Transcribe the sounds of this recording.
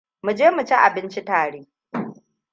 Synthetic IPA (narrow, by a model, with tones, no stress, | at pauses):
mu˨d͡ʒeː˦mu˨t͡ʃɛ˦ʔa˨bɪ˦nt͡ʃi˦taː˨ɽeː˦